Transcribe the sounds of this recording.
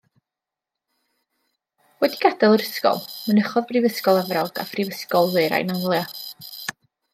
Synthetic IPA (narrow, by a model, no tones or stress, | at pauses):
wɛdiɡ̥adɛlˠəɾəskɔ̰lˠmənəχɔðbrɪvəskɔlˠɛvralˠɡa̰frivəskɔlˠðɨɨɾa̰jnamlˠja